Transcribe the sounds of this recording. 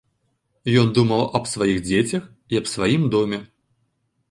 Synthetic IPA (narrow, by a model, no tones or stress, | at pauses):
jɔnd̪umɐwɐbsvajiɣd͡zʲet͡sʲɐx | iɐbsvajimd̪ɔmʲɛ